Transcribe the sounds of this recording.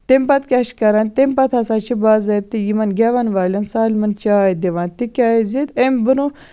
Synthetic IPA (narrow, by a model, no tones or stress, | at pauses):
t̪empɐt̪̚kʲaʃkɐɾant̪empɐt̪ʰɐsat͡ʃʰibaːzɐt̪ijimɐnɡʲaʋanʋaːlʲɐnsaːlʲmɐnt͡ʃaːid̪eʋãːnt̪ikʲaːizit̪embɨnu